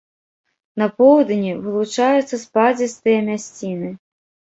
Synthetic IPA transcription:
nɐpɔwd̪nʲivɨlˠut͡ʂajut̪sːɐspad͡zʲist̪ɨjɐmʲasʲt͡sʲinɨ

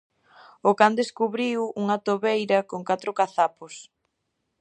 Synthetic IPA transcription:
ʊkand̪eskuβɾiwuŋɐt̪oβejɾɐkoŋkat̪ɾʊkaθapos

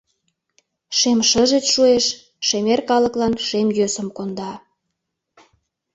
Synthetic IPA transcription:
ʃemʃəʒet͡sʃueʃ | ʃemerkɑləklɑnʃemjøsə̆mkond̪ɑ

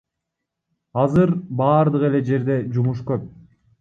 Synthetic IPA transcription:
ɑzɯɾbɑːɾd̪ɯʁe̞le̞d͡ʒe̞ɾd̪e̞d͡ʒumuʃ̬køp̚

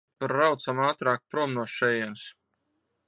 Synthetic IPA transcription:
paɾːawt̪samaːt̪ɾaːk̚pɾuɔmnuɔʃɛjɛns

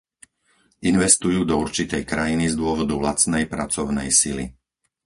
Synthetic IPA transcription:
ʔinʋɛst̪ujuːd̪ɔuɾt͡ʃit̪ɛjkɾajinizd̪ʊɔʋɔd̪ulat͡snɛjpɾat͡sɔʊnɛjsili

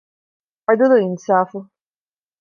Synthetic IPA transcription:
ad̪ud̪oinsaːfu

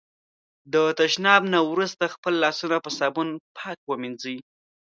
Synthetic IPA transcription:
d̪ət̪aʃnɑbnawɾust̪axpəlːɑsunapəsɑbunpʰɑkwəmind͡zi

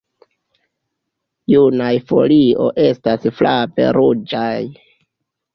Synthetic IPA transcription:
junajfo̞̰lio̞̰ʔe̞stasflape̞̰ɾud͡ʒaj

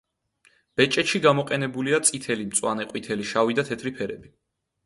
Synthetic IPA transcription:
b̥ɛt͡ʃʼɛt̪ʃiɡamɔqʼɛnɛbuliat̪sʼit̪ʰɛlimt̪sʼwanɛqʼwit̪ʰɛliʃavid̪at̪ʰɛt̪ʰɾipʰɛɾɛbi

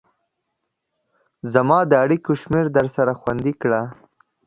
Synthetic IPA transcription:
zamɑd̪əaɽikoʃmeɾd̪əɾsaɾaxwand̪ikɽa

